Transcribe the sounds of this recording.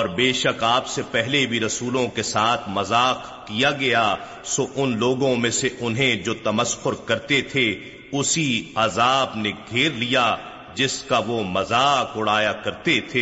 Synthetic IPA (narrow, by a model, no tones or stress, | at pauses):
ɔːɾbeːʃɐkaːpsepɛɦlebʱiɾɐsuːlõkesaːt̪ʰmɐzaːq | kijaɡɐja | soʔʊnloːɡõmẽseʔʊnɦẽd͡ʒoːt̪ɐməsxʊɾkɐɾt̪et̪ʰe | ʊsiazaːbneɡʱeːɾlija | d͡ʒɪskaʋomɐzaːkʊɽ̤aːjakɐɾt̪et̪ʰeː